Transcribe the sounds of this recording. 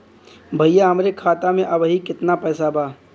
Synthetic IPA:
bʱɐijaɦɐmɾekʰaːt̪amẽʔɐbɦikɪt̪napɛːsabaː

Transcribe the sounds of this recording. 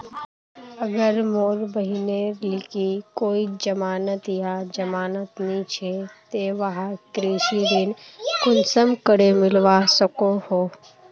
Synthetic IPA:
əɡəɾmoːɾbəɦinelɪkikoːid͡ʒəmaːnət̪jad͡ʒəmaːnət̪nit͡ʃʰet̪eʋəɦakɾiʃid̪ɪnkʊnsəmkəɽemɪlʋasəkoho

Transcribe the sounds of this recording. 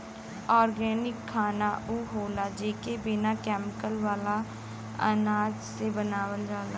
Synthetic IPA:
ɔːɾɡɛːnɪkʰːaːnauːɦoːlaːd͡ʒeːkebɪnakɛːmɪkəlʋaːla | ə̰naːd͡ʒsebənaːʋəld͡ʒaːla

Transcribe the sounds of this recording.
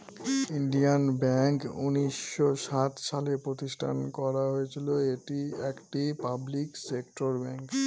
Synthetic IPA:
iɳɖianbɛŋkuniʃːoʃat̪ʃalepɾot̪isʈʰa̰nkɔɾaɦoet͡ɕʰiloeʈiɛkʈipabliksekʈoɾbɛŋk

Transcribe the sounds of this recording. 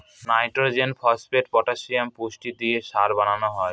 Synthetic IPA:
najʈoɾd͡ʑenfʰɔspeʈ̚pɔʈaʃiampuʃʈid̪ieʃaɾbananoɦɔe

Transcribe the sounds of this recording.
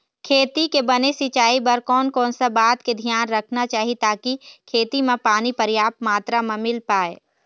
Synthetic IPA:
kʰeːt̪ikebɐnesɪt͡ʃaːibɐɾkɔːnkɔːnsabaːt̪ked̪ʱijaːnɾɐkʰnat͡ʃaːɦit̪aːkikʰeːt̪imẽpaːnipɐɾjaːp̚t̪maːt̪ɾamẽmɪlpaːḛː

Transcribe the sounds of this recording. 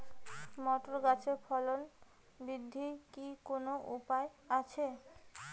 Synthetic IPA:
mɔʈoɾɡat͡ɕʰepʰɔlon | bɾid̪ʱːikikonoʔupaeat͡ɕʰe

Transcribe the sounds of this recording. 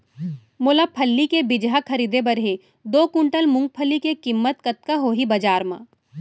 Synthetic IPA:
moːlapʰəlːikebɪd͡ʒɦakʰɐɾiːd̪ebɐɾɦe | d̪oːkʊ̃ɳʈəlmʊ̃ŋɡ̚pʰəlːikekɪmːət̪kɐt̪̚kaɦoːɦibɐd͡ʒaːɾmã̰

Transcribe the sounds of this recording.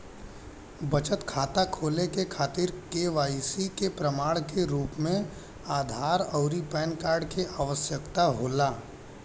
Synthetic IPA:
bɐt͡ʃət̪kʰaːt̪akʰoːlekekʰaːt̪iɾkeʋaːisikepɾəmaːɭkeɾuːpmẽ | aːd̪ʱaːɾɔʊɾipɛːnkaːɾɖkeʔaʋəsjəkt̪aɦoːlaː

